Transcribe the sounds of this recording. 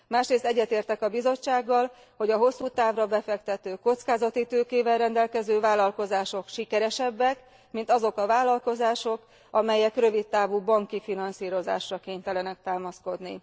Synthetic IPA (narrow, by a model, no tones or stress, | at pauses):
maːʃreːst̪ɛɟːɛt̪eːrt̪ɛkɒbizo̞t͡ʃːaːɡːɒl | ho̞ɟɒɦo̞sːuːt̪aːvrɒbɛfɛkt̪ɛt̪øːko̞t̪skaːzɒt̪it̪øːkeːvɛlrɛnd̪ɛlkɛzøːvaːlːɒlko̞zaːʃo̞kʃikɛɾɛʃɛbːɛk | mint̪ɒzo̞kɒvaːlːɒlko̞zaːʃo̞k | ɒmɛjɛkrø̞vit̪ːaːvuːbɒŋkifinɒnsiːɾo̞za̰ːʃrɒkeːɲt̪ɛlɛnɛk̚t̪aːmɒsko̞d̪ni